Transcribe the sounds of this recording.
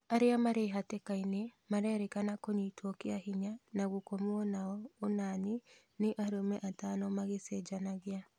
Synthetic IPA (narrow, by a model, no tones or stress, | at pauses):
aɾeamaɾeɦatɛkainemaɾɛːɾɛkanakoɲiːtwɔkeahiɲanaɣokomwɔnaɔonani | neʔaɾomɛʔatanɔmaɣesɛd͡ʒanaɣea